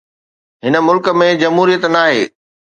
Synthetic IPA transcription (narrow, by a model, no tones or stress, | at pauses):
ɦɪnə̆mʊlkə̆mẽd͡ʑɐmɦuːɾijət̪naːɦeː